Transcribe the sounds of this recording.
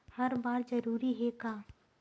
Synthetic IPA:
hɐɾbaːɾzɐɾuːɾiɦɛkaː

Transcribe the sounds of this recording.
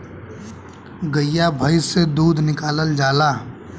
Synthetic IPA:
ɡəjabʱəɪsed̪uːd̪ʱnɪkaːləld͡ʒaːlaː

